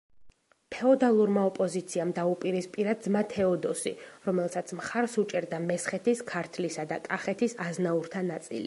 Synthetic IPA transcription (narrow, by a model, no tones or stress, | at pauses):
pʰɛɔd̪alˠuɾmaɔpʼɔzit̪sʰiamd̪aupʼiɾispʼiɾad̪zmat̪ʰɛɔd̪ɔsiɾɔmɛlˠsat̪sʰmχaɾsut͡ʃʼɛɾd̪amɛsχɛt̪ʰiskʰaɾt̪ʰlisad̪akʼaχɛt̪ʰisaznauɾt̪ʰanat̪sʼḭlḭ